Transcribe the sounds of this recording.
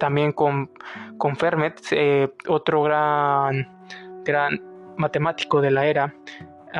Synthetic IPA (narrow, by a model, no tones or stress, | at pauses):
t̪ambje̞ŋkonko̞ɱfeɾmet̪seot̪ɾoɣɾan | ɡ̥ɾanmat̪e̞mat̪i̥ko̞ðe̞lae̞ɾa